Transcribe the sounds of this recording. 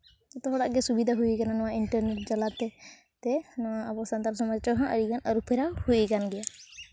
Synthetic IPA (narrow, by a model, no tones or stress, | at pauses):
ɛt̪ɔɦɔɽaʔɡɛsubid̪ʱaɦujikananɔwãiɳʈəɾnɛʈ̚d͡ʒalat̪ɛ | t̪ɛnɔwaːbɔsant̪aɾsɔmat͡ʃɔɦãʔəɾikanaɾupʰɛɾahujikanɡɛja